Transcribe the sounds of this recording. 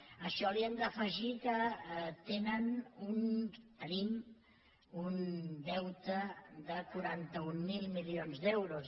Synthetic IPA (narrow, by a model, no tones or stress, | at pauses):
əʃɔliɛnd̪əfəʒikət̪enənunt̪ənim | und̪ɛwt̪əd̪əkuɾant̪əumːilˠmilionzd̪ɛwɾus